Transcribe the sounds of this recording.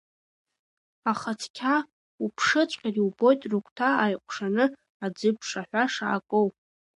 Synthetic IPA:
aχat͡sʰkʲʰa | upʰʂɨt͡sʷʼqʲʼariubo̞jtʼrukʷʰʼtʰaajqʷʰʼʂanɨ | ad͡zɨpʰʂaħʷaʂa̰ːkʼow

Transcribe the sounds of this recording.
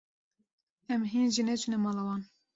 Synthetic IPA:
ɛmɦiːnʒinɛt͡ʃʰunɛmɑːlɑwɑːn

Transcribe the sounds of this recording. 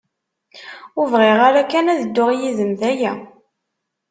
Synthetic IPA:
ʊvʁɪʁaɾækːænæðəd̪ːʊʁijizəmðæjæ

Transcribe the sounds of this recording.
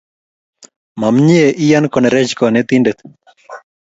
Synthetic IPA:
mamɲieʔijankɔnɛɾɛd͡ʒkɔnɛt̪indɛt̪

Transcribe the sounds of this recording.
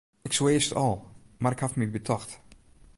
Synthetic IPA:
ɪkswɪːstɔlˠmaɾɪkhafmibətʰɔxt

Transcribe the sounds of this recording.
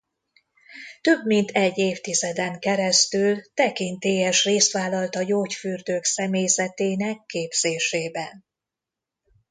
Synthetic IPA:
t̪ø̞bmint̪ʰɛɟːeːft̪izɛd̪ɛŋkɛɾɛst̪ylt̪ɛkint̪eːjɛʃreːst̪ʋaːlɒlt̪ɒjoːcfyrd̪øːksɛmeːjzɛt̪eːnɛkːeːbz̥eːʃeːbɛn

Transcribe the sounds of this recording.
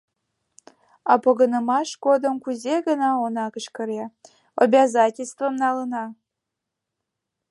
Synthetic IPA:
ɑpoɣənəmɑʃɡod̪əmkuzʲeɡənɑonɑkəʃkə̆ɾʲe | abʲazɑtʲelʲst̪vəmnɑlənɑ

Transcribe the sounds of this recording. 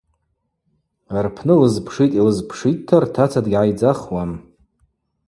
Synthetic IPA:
arpʰnɨlɨzpʰʂitʼilɨzpʰʂittʰːartʰat͡sʰadɡʲʕajd͡zaχwam

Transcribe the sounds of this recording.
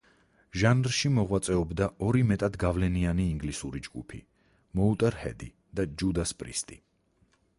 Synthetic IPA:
ʒanɾʃimɔʁwat̪sʼɛɔbd̪aɔɾimɛt̪ʼad̪ɡavlɛnianiːŋɡlisuɾid͡ʒɡṵpʰḭ | mɔut̪ʼɛɾhɛ̰d̪i | d̪̥ad͡ʒud̪aspʼɾḭst̪ʼi

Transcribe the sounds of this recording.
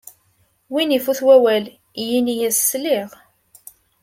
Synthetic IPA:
winifuθwæwæl | jinijæsslɪʁ

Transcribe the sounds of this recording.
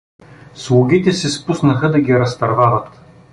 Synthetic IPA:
slˠuɡʲit̪ɛsɛspusnɐxəd̪ɐɡʲiɾɐst̪ɐɾvavət̪

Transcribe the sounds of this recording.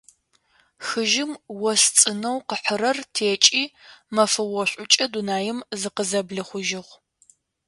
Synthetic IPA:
xɨʒɪmwɔst͡sʼɨnɐwqəħəɾɐrtʰeːt͡ʃʼiːmɐfɐwɔɕʷʼʊt͡ʃʼɐdunaːjɪmzɨqəzɐbɮɨχʷʊʒɪʁʷ

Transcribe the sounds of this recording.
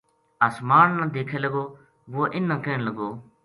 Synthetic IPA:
aːsmaːnnãːd̪eːkʰeːləɡoː | ʋoːʔɪnːãːkeːnləɡoː

